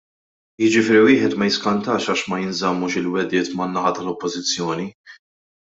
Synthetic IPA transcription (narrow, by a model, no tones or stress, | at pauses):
jɪd͡ʒɪfɪːɾiwɪːħɛt̪mɐjɪskɐnt̪ɐːʃɐːʃmɐjɪnzɐmːuːʃɪlwɛd̪ɪːt̪mɐnːɐħɐt̪ɐlɔpːɔzɪt͡sːjɔːni